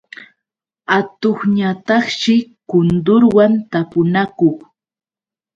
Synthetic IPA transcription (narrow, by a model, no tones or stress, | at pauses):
at̪oχɲat̪ɑχʃɪkʊnd̪ʊɾwant̪apʊnakoχ